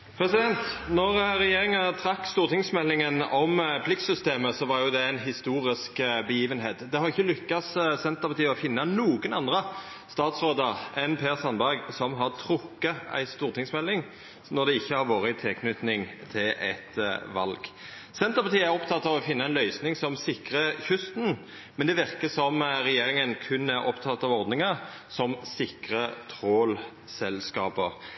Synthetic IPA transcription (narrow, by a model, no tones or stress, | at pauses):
pʰɾɛsɪd̪ɛnt̪nɔʁɾɛjeːʁɪŋənət̪ʰɾɑkːst̪uːʁt̪ʰɪŋsmɛlːɪŋənɔmpʰlɪk̚sʏst̪eːməsɔʋɑɾjʊd̪ɛæɪnɦɪst̪uːɾɪskbəjiːʋənɦeːt̪d̪ɛhɑɾʁɪçːəlʏkːɑssɛnt̪əpʰɑt̪ʰiːəɔfɪnːɑnuːɡənɑnd̪ʁə | st̪ɑːt̪sɾoːd̪əɾɛnpʰeːʁsɑnbæʁɡsɔmɦɑʁt̪ʰɾʊkːəæ̰ɪst̪uːʁt̪ʰɪŋsmɛlːɪŋ | nɔʁd̪ɛɪçːəhɑɾʋoːɾət̪ʰɪlkʰnʏt̪nɪŋt̪ʰɪlʔɛt̪ʋɑlɡ̥ | sɛnt̪əʁpɑt̪iːəæɾɔpt̪ʰɑt̪ːɑʋɔfɪnːɑæɪnlœʏsnɪŋsɔmsɪkɾəçʉst̪n̩ | mɛnd̪ɛʋɪʁkəsɔmʁɛjeːɾɪŋənkʰʉnːæɾɔ̰pt̪ʰɑt̪ːɑʋɔʁd̪nɪŋəɾ | sɔmsɪkɾət̪ʰɾoːl | sɛlskɑːpə